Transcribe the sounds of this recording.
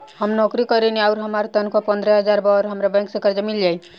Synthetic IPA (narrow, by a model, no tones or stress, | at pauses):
həmnɔkɾikəɾeniaʊɾɦəmaɾt̪ənkopə̃nd̪ɾəɦəd͡ʒaɾbaɾɦəmɾabɛ̃ŋksẽkəɾd͡ʒmild͡ʒaj